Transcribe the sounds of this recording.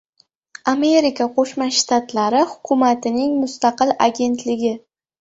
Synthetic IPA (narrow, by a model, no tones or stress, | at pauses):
ame̞ɾikʰaqʰoʃmaʃt̪at̪laɾɪhʊkʰʊmat̪ʰɪnɪŋmʊst̪aqɨla̰ɡʲe̞nt̪lɪɡʲɪ